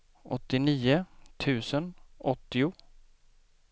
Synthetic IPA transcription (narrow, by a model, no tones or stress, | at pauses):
ʔɔ̰t̪ːɪniːət̪ʰʉ̟ːsənʔɔt̪ːɪʊ